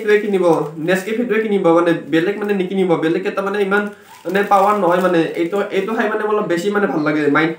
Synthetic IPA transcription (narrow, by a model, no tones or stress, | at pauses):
tuɛkʰinibɔnɛskepʰit̬uekinibɔmanɛbɛlɛk̚manɛnikinibɔbɛlɛkːɛtamanɛiman | nɛpawaɹnɔɦɔjmanɛejtejtʊkʰajmanɛmɔlɔbesimanɛbʱalːaɡɛmajn